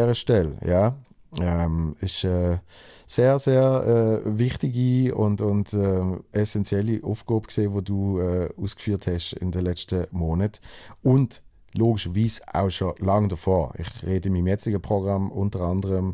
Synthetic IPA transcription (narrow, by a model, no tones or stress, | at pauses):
ɛːʁəʃtɛljaː | ɛmɪʃɛː | seːɐzeːɛːvɪχtɪɡiʊ̰ndʊndɛɛsɛnt͡sjɛliʔufɡ̥oːbəkseːvoːduːɛːuːskfyːɐthɛʃɪ̰ndəlɛt͡stəmoːnətʊnd | loːɡɪʃəviːsa̰ʊʃolaŋdəfoːɪ̰χʁeːdəmimjɛt͡sɪɡəpʁ̥oɡʁamʊntəʁandəʁəm